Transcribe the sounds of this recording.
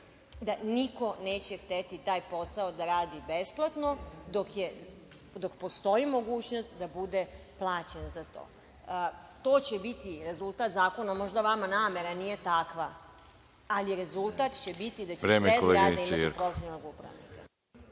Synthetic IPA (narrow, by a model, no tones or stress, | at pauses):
d̪aniko̞neːt͡ɕext̪et̪it̪aːjpo̞saod̪aɾaːd̪ibe̞splˠat̪no̞d̪okje | d̪okpo̞st̪o̞jimo̞ɡuːt͡ɕno̞st̪d̪abud̪eplˠaːt͡ɕenzat̪o̞̰ː | t̪o̞ːt͡ɕebit̪iɾe̞zulˠt̪at̪zaːko̞namo̞ʒd̪aʋamanaːme̞ɾanije̞t̪akʋaː | liɾe̞zulˠt̪at̪t͡ɕebit̪id̪at͡ɕeɾeːmeezleɾad̪eimaipɾofesonoɡupɾa̰ʋnḭka̰